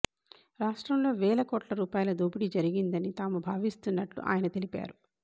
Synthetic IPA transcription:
ɾaːʂʈɾɐmlo̞ːʋɛːɭɐkoːʈlɐɾuːpaːjɐlɐd̪oːbiɽid͡ʒɐɾiɡind̪ɐnit̪aːmubʱaːʋist̪unːɐʈlṵʔa̰ːjɐnɐt̪e̞lipa̰ːɾu

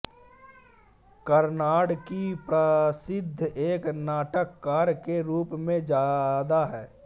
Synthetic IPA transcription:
kəɾnaːɽkipɾəsɪd̪ʱːeːknaːʈəkːaːɾkeɾuːpmẽd͡ʒaːd̪aɦɛː

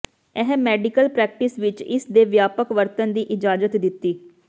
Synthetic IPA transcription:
ɛɦmɛːɖɪkəlpɾɛːk̚ʈɪsʋɪt͡ʃɪsd̪eːʋjaːpəkʋəɾt̪ənd̪iːʔɪd͡ʒaːzət̪d̪ɪt̪ːiː

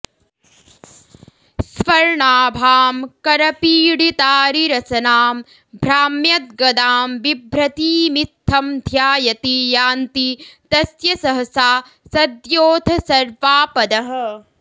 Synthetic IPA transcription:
sʋɐɾɳaːbʱaːmkɐɾɐpiːɽit̪aːɾiɾɐsɐnaːm | bʱɾaːmjɐt̪̚ɡɐd̪aːmʋibʱɾɐt̪iːmit̪ʰːɐmd̪ʱjaːjɐt̪ijaːnt̪it̪ɐsjɐsɐɦɐsaː | sɐd̪joːt̪ʰɐsɐɾʋaːpɐd̪ɐɦɐ̆

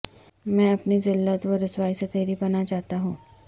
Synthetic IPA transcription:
mɛ̃ɐpnizɪlːət̪ʋəɾɪsʋaːiset̪eːɾipɐnat͡ʃaːɦt̪aɦũː

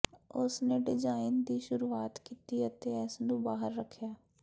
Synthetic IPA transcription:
ʊsneːɖɪd͡ʒaːɪnd̪iːʃʊɾuːaːt̪kiːt̪iːət̪eːɛːsnũːbaːɦəɾːəkʰːjaː

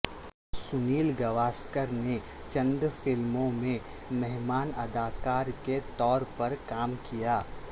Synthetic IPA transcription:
sʊniːlɡɐʋaːskəɾne | t͡ʃɐ̃nd̪fɪlmõmẽ | mɛɦmaːnɐ̰d̪aːkaːɾket̪ɔːɾpɐɾkaːmkijaː

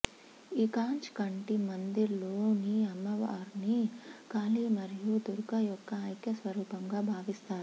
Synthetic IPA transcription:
ikaːɲt͡ʃkɐɳʈimɐnd̪iloːniɐmːɐʋaːɾnikaːliːmɐɾijud̪uɾɡɐjɔkːɐɐjkjɐsʋɐɾuːpɐmɡaːbʱaːʋist̪aːɾu

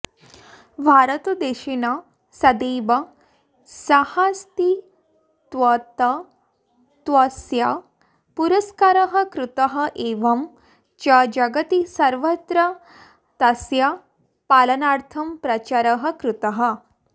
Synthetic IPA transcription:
bʱaːɾɐt̪ɐd̪eːʃinɐ | sɐd̪eːbɐ | sɐhast̪i | t̪ʋɐt̪ɐ | t̪ʋɐsjɐ | puɾɐskaɾɐɦɐkɾut̪ɐɦɐʔeːʋɐm | t͡ʃɐd͡ʒɐɡɐt̪isɐɾʋɐt̪ɾɐ | t̪ɐsjɐ | paːlɐnaːɾt̪ʰɐmpɾɐt͡ʃaɾɐɦɐkɾut̪ɐɦɐ

